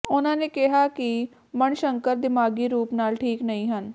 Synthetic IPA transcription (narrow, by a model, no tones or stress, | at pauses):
ʊnãːnekɛɦaːki | məɳʃə̃ŋkəɾd̪ɪmaːɡiɾuːpnaːlʈʰiːknəɦĩːɦən